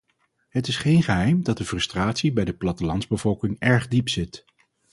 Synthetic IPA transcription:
ɦətɪsχejnχəɦɛjmdɑt̚dəfrɵstraːtsibɛjdəplɑtəlɑnzbəvɔlˠkɪŋɛɹχdipsɪt

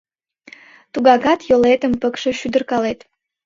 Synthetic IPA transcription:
t̪uɡɑɣɑt̪jolet̪əmpəkʃə̆ʃyd̪ərkɑlet̪

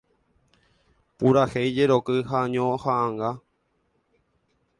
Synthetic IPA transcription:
puɾahejd͡ʒeɾokɨhaɲõhãːŋɡa

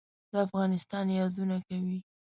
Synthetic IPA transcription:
d̪əafɣɑnɪst̪ɑnjɑd̪unakawi

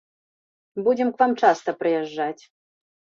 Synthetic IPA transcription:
bud͡zʲɛmkvamt͡ʂast̪ɐpɾɨjɛʐːat͡sʲ

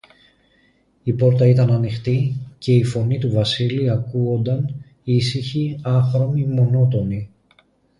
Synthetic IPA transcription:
ipo̞ɾt̪ɐit̪ɐnɐnixt̪ice̞ifo̞nit̪uvɐsiliɐkuo̞nd̪ɐn | isiçiɐθɾo̞mimo̞no̞t̪o̞ni

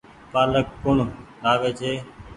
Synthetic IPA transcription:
paːləkːʊɳlaːʋeːt͡ʃʰeː

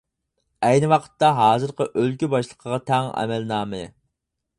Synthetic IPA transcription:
ɛjnɪwɑqʰə̥t̪ːɑɦɑːzɨɾqəʔølkʲybɑʃlˠəqʰəʁɑt̪ʰɛŋɛ̰mɛlnɑːmɨ

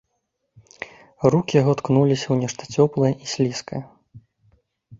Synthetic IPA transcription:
rukʲijaɣɔt̪knulʲisʲɐwnʲɛʂt̪ɐ̥t͡sʲɔplˠɨjɐʔisʲlʲiskɐ̰jɐ

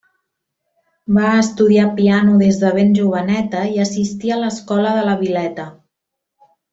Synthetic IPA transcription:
baəst̪uðiapianuðezðəβenʲʒuβ̞ənɛt̪əiəsist̪iələskɔləðələβilɛt̪ə

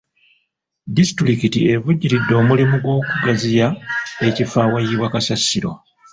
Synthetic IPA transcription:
disi̥tɾikitie̞vuɟːiɾidːo̞ːmulimuɡwo̞ːkuɡazijae̞cifaːwajiβwakasasiɾo̞̰

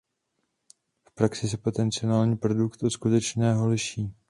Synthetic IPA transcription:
fpɾaksɪsɛpo̞t̪ɛnt͡sɪonaːlɲiːpɾo̞dukt̪uskut̪ɛt͡ʃnɛːɦo̞lɪʃiː

